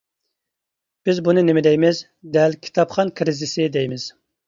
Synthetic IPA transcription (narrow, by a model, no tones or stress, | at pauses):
b̥ɪzbunɨnɪmɪd̪ɛjmɪz | d̪ɛlkʲʰi̥t̪ʰɑpχɑnkʰɾɪzɪsɪd̪ɛjmɪz̥